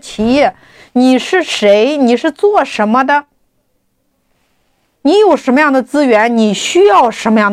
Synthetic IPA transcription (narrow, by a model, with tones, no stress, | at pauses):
t͡ɕʰi˧˥jɛ˥˩ | ni˨˩ʂɻ̩˥˩ʂe˧˥ɪni˨˩ʂɻ̩˥˧t͡swɔ˥˩ʂə˧˥nmə˧d̪ə˧ | ni˧˥jo˨˩ʊʂə˧˥nmə˧jɑ˥˩ŋd̪ə˩t͡sɹ̩˥ɥɛ˧˥nni˨˩ɕy˥jɑ˥˩ʊʂə˧˥nmə˧jɑ˥˩ŋ